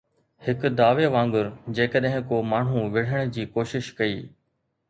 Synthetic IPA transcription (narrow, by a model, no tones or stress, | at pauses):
hɪkd̪aːʋeʋãːŋɡʊɾd͡ʑeːkəɗɦɪ̃koːmaːɳ̤ũʋɪɽ̤əɽ̃d͡ʑiːkoːʃɪʃkɐiː